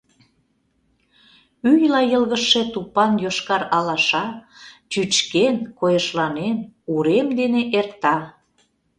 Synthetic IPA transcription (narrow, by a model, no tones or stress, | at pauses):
yjlɑjəlɣəʃet̪upɑnjoʃkɑɾɑlɑʃɑt͡ɕyt͡ɕkenkojə̆ʃlɑnemuɾemd̪eneʔert̪ɑ